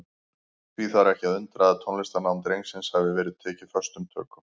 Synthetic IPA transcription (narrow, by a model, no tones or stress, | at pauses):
θviθaɾɛhcɪaðʏnt̪ɾaðat̪ʰɔnlɪst̪anaːwmnt̪ɾejŋsɪnshɛvɪvɛːɾɪðt̪ʰɛːcɪ̥fœst̪ʏmt̪ʰœ̰ːkʏm